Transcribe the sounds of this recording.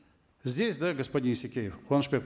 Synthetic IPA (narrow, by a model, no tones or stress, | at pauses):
zʲdʲesʲd̪aɡəspɐdʲinsʲɪkʲejɪfxʊanʂpʲek